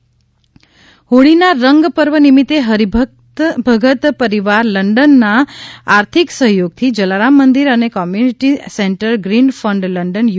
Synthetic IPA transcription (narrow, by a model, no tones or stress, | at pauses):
ɦoɽinaɾəŋɡpəɾʋənimit̪eɦəɾib̪ʱ | bʱəɡət̪pəɾiʋaɾləɳɖənːaːɾt̪ʰiksəɦjoɡ̚t̪ʰid͡ʒəlaɾamːənd̪iɾənekɔmjuniʈiseɳʈəɾɡɾinfəɳɖləɳɖənj